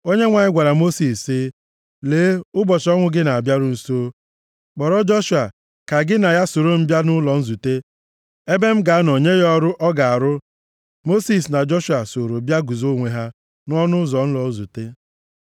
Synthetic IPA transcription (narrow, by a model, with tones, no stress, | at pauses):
o˦ɲe˦ŋʷa˨ɲɪ˦ɡʷa˨ɾa˨mo˦si˨sɪ˦ | leː˨˦ʊ˦bɔ˨t͡ʃɔ˦ŋʷʊ˦ɡɪ˦na˨a˨bja˦ɾʊ˦n̩˨so˦ | k͡pɔ˨ɾɔ˦d͡ʒɔ˦ʃu˨a˨ | ka˨ɡɪ˦na˨ja˦so˨ɾo˦m̩˦bja˦nʊ˦lɔ˨n̩˦zu˨te˦ | e˦be˦m̩˦ɡa˨˦no˨ɲe˦jɔ˦ɾʊ˦ʔɔ˦ɡa˨a˨ɾʊ˦ | mo˦si˨s̬na˨d͡ʒɔ˦ʃu˨a˨so˨ɾo˨bja˦ɡu˨zo˦ŋʷe˨ɦa˦ | n˦ɔ˦nʊ˦zɔ˨n̩˦lɔ˨˦zu˨te˦